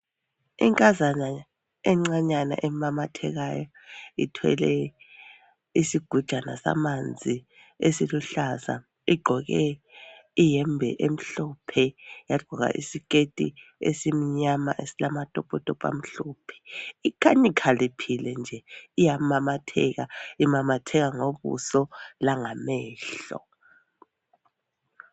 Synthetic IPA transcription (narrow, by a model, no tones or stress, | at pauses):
ḭŋkʼazana | ɛŋ͡ǀaɲana̰ʔɛmamatʰɛɣajɔ | itʰwɛ̰lɛ | isiɡ̥ʱud̥ʒ̥ʱana̰sa̰mand͡zʱi | esiluɬaza̰ | iɡ͡ǃʱɔɣɛ | ijɛmbʱɛ̰ʔem̩ɬɔpʰɛjaɡ͡ǃʱɔɣa̰ʔḭsik̬ʼetʼḭḛsimiɲamaʔesilamatʼɔpʼɔtʼɔpʼa̰m̩ɬuːpʰɛ̥ikʰanikʰalipʰilɛnd͡ʒʱɛijamamatʰɛ̰ɣaimamatʰɛɣaŋoβṵsɔlaŋamɛːɬɔ̰